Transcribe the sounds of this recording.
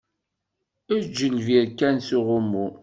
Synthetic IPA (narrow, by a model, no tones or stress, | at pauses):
æd͡ʒːəlviɾkænsuʁʊmːu